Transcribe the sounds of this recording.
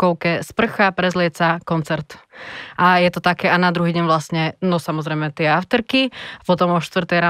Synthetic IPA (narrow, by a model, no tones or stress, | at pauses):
kɔʊkɛspr̩xapɾɛzlɪɛt͡sakɔnt͡sɛɾt̪ʔajɛt̪ɔt̪akɛːʔanad̪ɾuɦiːɟɛɲʋlasɲɛnɔsamɔzɾɛjmɛt̪ɪɛaʊt̪ɛɾkiapɔt̪ɔmɔʃt̪ʋr̩t̪ɛjɾa